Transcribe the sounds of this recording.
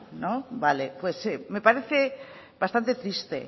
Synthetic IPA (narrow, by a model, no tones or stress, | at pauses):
nobalepweseme̞paɾeθe | bast̪ant̪et̪ɾist̪ḛ